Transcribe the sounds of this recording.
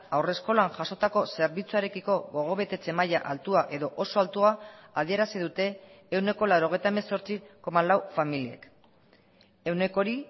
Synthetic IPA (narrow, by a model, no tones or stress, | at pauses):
awre̞sko̞lanʝaso̞t̪ako̞se̞ɾβit͡suaɾe̞kiko̞ɣo̞ɣ̞o̞β̞e̞t̪e̞t͡se̞maja̰ʔalt̪uaʔe̞ðo̞ʔo̞so̞alt̪uaːð̞ieɾasiðut̪e̞ːwne̞ko̞lawɾo̞ɣ̞e̞jt̪aemeso̞ɾt͡siko̞malawfamilie̞̰k | e̞wne̞ko̞ɾi